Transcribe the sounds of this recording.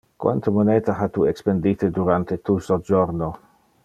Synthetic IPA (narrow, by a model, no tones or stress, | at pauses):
kwa̰nt̪omonet̪aɦat̪uekspend̪it̪ed̪uɾant̪et̪usod͡ʒoɾno